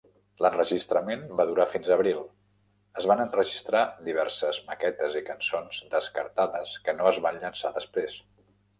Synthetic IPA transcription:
lənrəʒist̪ɾəmenbaðuɾafinzəβɾilˠ | əzβanənrəʒist̪ɾad̪iβ̞ɛɾsəzməkɛt̪əzikənsonzd̪əskəɾt̪aðəskənoəzβanʎənsaðəspɾes

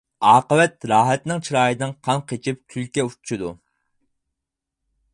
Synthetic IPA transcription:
ɑːqəwɛt̪ɾɑːɦɛt̪nɪŋt͡ʃʰiɾɑːjid̪ɨŋqʰɑŋqʰet͡ʃʰip̚t̪ʲʰylkʲɛut͡ʃʰu̥t͡ʃʰid̪ṵ

